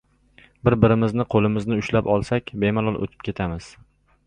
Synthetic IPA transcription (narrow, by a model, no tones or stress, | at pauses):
bɪɾbɪɾɪmɪznɪqʰolˠɪmɪznɪʊʃlapɒlˠsakʲbemalˠɒlˠʔo̰t̪ʰɪ̥p̚kʲʰe̞t̪ʰamɪz̥